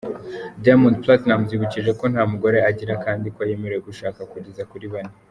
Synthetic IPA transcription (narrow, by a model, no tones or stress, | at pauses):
daamũnd̚platnamziβuciʒe̞ko̞n̥haːmuɡo̞ɾe̞aɟiɾakaːndikoaje̞me̞ɾejeɡuʃaːkakuɟezakuɾiβani